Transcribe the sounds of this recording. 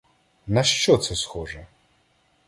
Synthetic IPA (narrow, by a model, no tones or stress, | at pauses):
nɐʃt͡ʃɔt̪sɛsxɔʐɛ